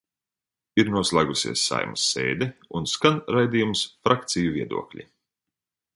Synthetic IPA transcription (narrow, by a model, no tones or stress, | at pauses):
iɾnuɔslˠaːɡusʲḭɛsːa̰jmusːḛːd̪ɛunskanɾajd̪iːjumsfɾʔakt̪sijuviɛd̪ṵɔklʲḭ